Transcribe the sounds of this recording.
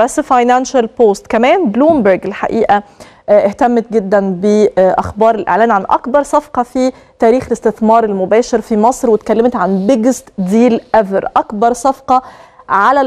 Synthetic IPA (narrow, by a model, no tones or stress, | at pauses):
æsfɑjnænʃælpoːst̪kæmæːnbluːmbeɾɡelħa̰ʔiːʔæ | ʔeht̪æmːet̪̚ɡɪd̪ːænbeʔæxbɑːɾˤelʔḛʕlæːnʕanʔɑ̰kbɑɾˤsˤɑfqɑfi | t̪æːɾiːxelest̪ɪθmɑːɾˤelmʊbæːʃeɾfimɑsˤɾwet̪kælːæmt̪ʕanbɪɡɪst̪d̪iːlʔævɾʔɑkbɑɾˤsˤɑfqɑʕalæ